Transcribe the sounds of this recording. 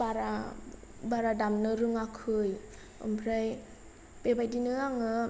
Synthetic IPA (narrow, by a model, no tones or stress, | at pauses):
baɾa | baɾadamnɯɾɯŋakʰɯj | ɔ̰mpʰɾaj | bebajdinɯaŋɯ